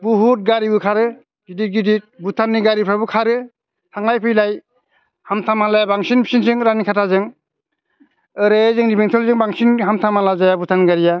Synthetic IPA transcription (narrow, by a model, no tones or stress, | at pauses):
buɦut̚ɡaɾibɯkʰaɾɯ | ɡidit̚ɡidit̚butʰanːiɡaɾipʰɾabɯkʰaɾɯ | tʰaŋlajpʰɯjlaj | hamtʰamalajabaŋsinpʰi̥sinsɯŋɾanikʰatʰazɯŋ | ɯɾezɯŋdibeŋtʰɔlzɯŋbaŋsinɦamtʰamalazajabutʰanɡaɾija